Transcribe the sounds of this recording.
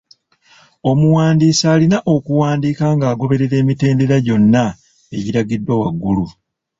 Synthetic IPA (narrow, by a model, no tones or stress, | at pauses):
o̞muwaːndiːsaːlinaʔo̞kuwaːndiːkaːŋɡaːɡo̞βe̞ɾe̞ɾe̞ːmite̞ːnde̞ɾaɟo̞nːa | e̞ɟiɾaɡidːwawaɡːulu